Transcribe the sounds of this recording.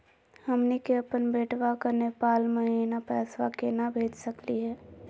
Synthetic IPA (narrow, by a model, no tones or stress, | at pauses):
həmnikeɐpənbeːʈʰwakanepaːlmẽeːnapɛːswakenabʱeːd͡ʒsəkliɦɛː